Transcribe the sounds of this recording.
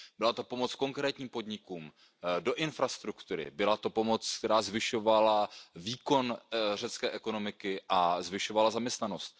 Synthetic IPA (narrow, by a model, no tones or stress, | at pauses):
bɪlat̪o̞po̞mo̞t͡sko̞ŋkɾɛːt̪ɲiːmpo̞dɲɪkuːm | do̞ʔɪnfɾast̪ɾukt̪uɾɪ̰bɪlat̪o̞po̞mo̞t͡sk̚t̪ɛɾaːzvɪʃo̞valaviːko̞nrɛt͡skɛːʔɛko̞no̞mɪkɪʔazvɪʃo̞valazamɲɛst̪nano̞st̪̚